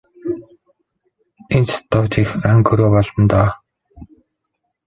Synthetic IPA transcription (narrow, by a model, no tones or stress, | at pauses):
ent͡st̪ːʊːt͡ɕixaŋkɵɾoːpɔɮɞ̆nt̪ɔː